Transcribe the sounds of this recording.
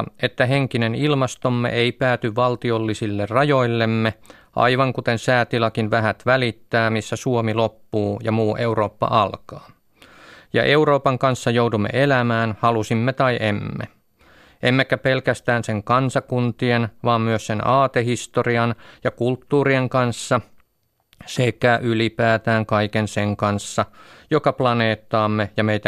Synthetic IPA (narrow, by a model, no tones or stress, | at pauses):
et̪ːæɦeŋkinenilmɑst̪omːḛʔeipæːt̪yʋʋɑlt̪iolːisilːerrɑjo̞ilːemːe | ʔɑ̰iʋɑŋkut̪ensæːt̪ilɑkinʋæɦæt̪ʋælit̪ːæːmisːæsuomilopːuːjɑmuːʔe̞wɾo̞ːpːɑ̰ʔɑlkɑː | jɑ̰ʔe̞wɾo̞ːpɑŋkɑnsːɑjowdumːḛʔelæmæːnhɑlusimːet̪ɑiʔemːḛ | ʔemːekæpelkæst̪æːnseŋkɑnsɑkunt̪ienʋɑːmmyøssenɑːt̪ehist̪oriɑnjɑkult̪ːuːrieŋkɑnsːɑ | sekæʔylipæːt̪æːŋkɑikenseŋkɑnsːɑjokɑplɑneːt̪ːɑːmːejɑmeit̪æ